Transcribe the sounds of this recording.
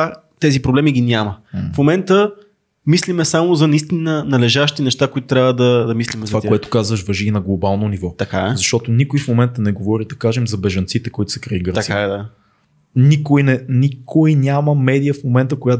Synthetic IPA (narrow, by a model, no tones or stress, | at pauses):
a | t̪ɛzipɾoblɛmiɡinʲaməfmomɛnt̪ə | mislimɛsamozɐnɐist̪inənɐlɛʒaʃt̪inɛʃt̪akoit̪ʊt̪ɾʲavəd̪ɐd̪ɐmislimt̪ovakoɛt̪ʊ̥kazvəʃvɐʒiːnɐɡlˠobalˠnonivɔt̪ɐka̰ɛzɐʃt̪ɔt̪onikʊjfmomɛnt̪ənɛɡovɔɾid̪ɐkaʒɛmzɐbɛʒɐnt̪sit̪ɛkoit̪ʊ̥sɛ̥kɾɐiɡəɾt̪ɐksiaɛd̪a | nikojnɛnikojnʲaməmɛd̪ijəfmomɛnt̪əkoja